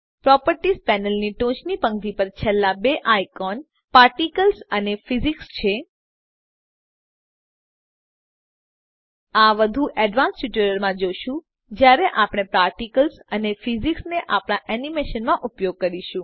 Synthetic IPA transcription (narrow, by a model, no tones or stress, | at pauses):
pɾɔpəɾʈispɛnəlniʈõt͡ʃnipəŋɡd̪ipəɾt͡ʃʰelːabeʔajkɔn | paɾʈikəlsənefizikst͡ʃʰe | aʋəd̪ʱuʔɛɖʋãnsʈuʈuɾəɾmãd͡ʒoʃũ | d͡ʒjaɾeʔapɽ̃epɾaɾʈikəlsənefiziksneʔapɽ̃aʔɛnimeʃənmãʔupjoɡ̚kəɾiʃũ